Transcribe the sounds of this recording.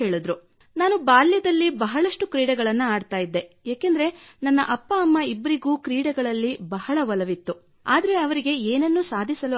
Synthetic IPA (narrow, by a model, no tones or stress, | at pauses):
eːɭud̪ɾu | naːnubaːljɐd̪ɐlːibɐɦɐɭɐʂʈukɾiːɽɐɡɐɭɐnːuaːɖt̪aːjid̪ːe̞ | jaːkend̪ɐɾe̞nɐnːɐ̰ʔɐpːɐːmːɐibːɐɾiɡuːkɾiːɽɐɡɐɭɐlːibɐɦɐɭɐʋɐlɐʋit̪ːu | a̰ːd̪ɐɾe̞ɐʋɐɾiɡe̞eːnɐnːusaːd̪ʱisɐlu